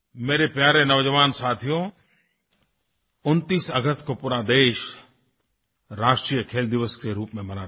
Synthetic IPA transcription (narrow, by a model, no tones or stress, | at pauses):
meːɾepjaːɾenɐʋd͡ʒəʋaːnsaːt̪ʰijõ | ʊnt̪iːsɐɡəst̪kopuːɾad̪eːʃ | ɾaːʃʈɾiːjəkʰeːld̪ɪʋəskeɾuːpmẽmɐnaː